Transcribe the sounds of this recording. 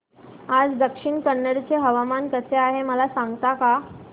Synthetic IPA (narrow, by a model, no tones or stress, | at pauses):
ad͡zd̪əkʂiɳkəɳːəɽt͡seɦəʋamankəseaɦeməlasaŋɡt̪aka